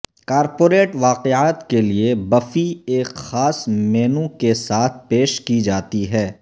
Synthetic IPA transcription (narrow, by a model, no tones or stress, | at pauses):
kaːɾpoːɾeːʈʋaːqeaːt̪keliebɐfieːkxaːsmeːnũkesaːt̪ʰpeːʃkid͡ʒaːt̪iɦɛː